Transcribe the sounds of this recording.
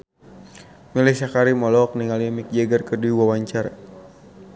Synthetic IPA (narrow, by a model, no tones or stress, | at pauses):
milisakaɾimɔlɔk̚niŋalimik̚d͡ʒɛɡarkərdiwawaɲt͡ʃar